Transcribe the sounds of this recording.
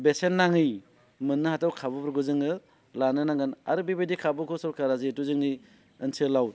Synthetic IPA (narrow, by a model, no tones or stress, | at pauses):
besenːaŋɯj | mɯnːɯhatawkʰabɯbɾɡɯzɯŋɯ | lanɯnaŋɡɯna̰ɾbibedikʰabɯkʰɯsɔɾkaɾazituzɯŋɯj | ɯnsɯlaw̚